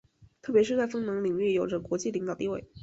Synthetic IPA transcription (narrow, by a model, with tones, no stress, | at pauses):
t̪ʰɤ˥˩pjɛ˧˥ʂɻ̩˥˧t͡sa˥˩ɪfɤ˥ŋnɤ˧˥ŋli˨˩ŋy˥˩jo˨˩ʊʈ͡ʂə˧˩kwɔ˧˥t͡ɕi˥˩li˧˥ŋt̪ɑ˨˩ʊt̪i˥˧we˥˩ɪ